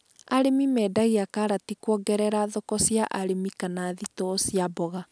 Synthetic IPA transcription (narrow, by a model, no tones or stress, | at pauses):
aɾemimɛːdaɣeakaɾatikwɔɡɛɾɛɾaðɔkɔsjaʔaɾemikanaðitɔsjabɔɣa